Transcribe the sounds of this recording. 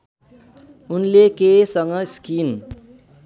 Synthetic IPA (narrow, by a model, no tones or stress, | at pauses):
unlekesʌŋɡʌskin